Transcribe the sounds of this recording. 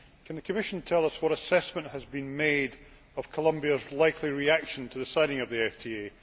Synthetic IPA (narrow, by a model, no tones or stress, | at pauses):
kʰə̃nðəkʰəmɪʃə̃ntʰɛlˠʌswɔɾəsɛsmə̃nʔhəzbĩnmed | əv̥kʰəlˠʌ̃mbiəzlˠaɪkʰlˠiɹiakʃə̃ntʰəðəsãɪɾɪ̃ŋəvðiɛftʰie